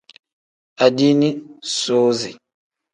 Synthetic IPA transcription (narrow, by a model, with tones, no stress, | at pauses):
a˨di˦ni˦so˦zi˨